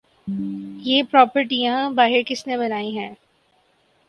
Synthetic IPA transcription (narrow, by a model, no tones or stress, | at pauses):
jeːpɾɔːpəɾʈijãbaːɦɪɾkɪsnebɐnaːiɦɛ̃ː